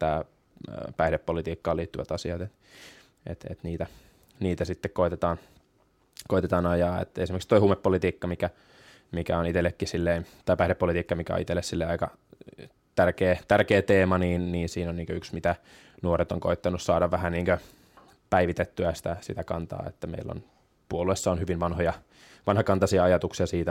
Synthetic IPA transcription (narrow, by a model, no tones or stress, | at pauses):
t̪æ̰ː | pæihdepːolit̪iːkːɑːliːt̪ːyʋæt̪ɑsiɑt̪et̪ | ḛt̪ḛt̪niːt̪æ | niːt̪æsit̪ːekkoit̪et̪ɑːn | koit̪et̪ɑːnɑjɑːḛt̪ːesimerkst̪oihuːmepːolit̪iːkːɑmikæ | mikæ̰onit̪elːekːisilːeːnt̪ɑipæihdepːolit̪iːkːɑmikæ̰o̰nit̪elːessilːeːɑ̰ikɑ̰ | t̪ærkeːt̪ærkeːt̪eːmɑniːnniːnsiːnoniːŋkøyksmit̪æ | nuoɾet̪oŋko̰it̪ːɑnussɑːɾɑʋʋæhæniːŋkø | pæiʋit̪et̪ːyæsi̥t̪æsḭt̪ækɑ̰nt̪ɑ̰ːḛt̪ːæmḛilːo̰n | puoluesːɑonhyʋinʋɑnhojɑ | ʋɑnhɑkɑnt̪ɑsiɑɑjɑt̪uksiɑsiːt̪æ